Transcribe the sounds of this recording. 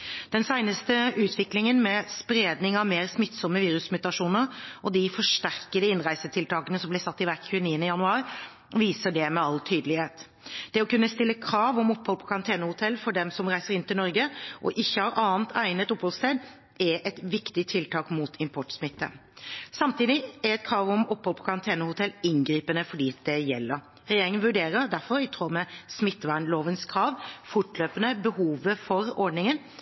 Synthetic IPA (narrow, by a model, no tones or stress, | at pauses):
d̪̥ɛnsæɪnəst̪əʉːt̪ʰʋɪklɪŋənmɛspɾeːd̪nɪŋɑʋmeːɾsmɪt̪ːsɔmːəʋiːɾʉsmʉt̪ɑʂuːnəɾʔɔd̪ɪfɔʂʈæʁkəd̪əɪnɾæɪsət̪ʰɪlt̪ʰɑːkənəsɔmblɪsɑt̪ːɪʋækçʉːəniːənəjɑnʉɑːɾ | ʋiːsəɖɛmɛɑlt̪ʰyːd̪əlɪheːt̪ | d̪̥ɛɔkʉnːəst̪ɪlːəkʰɾɑːʋɔmɔpːhɔlpʰɔ̥kʰɑɾɑnt̪ʰeːnəhʊt̪ʰɛlːfɔɖɛmsɔmɾæɪsəɾɪnt̪ɪlnɔɾɡəʔɔ̰ʔɪçːəhɑːɾʔɑːənt̪ʰæɪnət̪ʊphɔlst̪eːd̪ | ɛʔɛt̪ʋɪkt̪ɪt̪ʰɪlt̪ʰɑːkmut̪ʰɪmpʰɔʈsmɪt̪ːə̰sɑmt̪iːd̪ɪɛɾɛt̪̚kʰɾɑːʋɔmɔphɔlpʰɔ̥kʰɑɾɑnt̪ʰeːnəhʊt̪ʰɛlːɪnɡɾiːpənəfɔɖiːt̪̚d̪ɛjɛ̰lːəɾ | ɾɛjeːɾɪŋənʋʉɖeːɾəɾd̪æɾfɔɾɪt̪ʰʁoːmɛsmɪt̪ːʋænloːʋənskʰɾɑːʋfʊʈløːpənəbəhuːʋəfɔɾɔɖnɪŋən